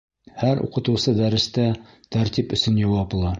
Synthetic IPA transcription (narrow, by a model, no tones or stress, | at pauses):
hæɾṵqɤ̆t̪ɤ̆wsɤd̪æɾɘ̆st̪æ | t̪æɾt̪ipɵ̆sɵnjɒwɑp̆lˠɑ